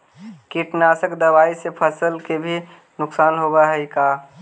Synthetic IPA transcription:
kiʈnasəkd̪əbaːisepʰəsəlkebʱi | nʊksaːnɦobaɦəikaː

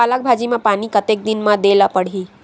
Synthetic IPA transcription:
alak̚bʱad͡ʒimãpañikət̪ek̚d̪inmad̪elapəɽ̤iː

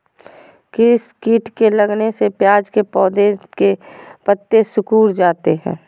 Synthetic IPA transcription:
kɪɪskiːʈkeləɡnesepjaːd͡ʒkepɔːd̪ekepət̪ːesʊkuːɾd͡ʒaːt̪eɦɛ̰̃ː

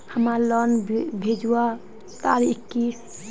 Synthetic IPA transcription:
həmaɾlənbʱed͡ʒuwa | t̪aɾikki

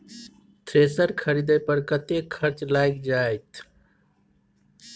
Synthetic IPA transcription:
t̪ʰɾesəɾkʰəɾid̪əjpəɾkət̪ekʰəɾt͡ʃlajkd͡ʒajt̪ʰ

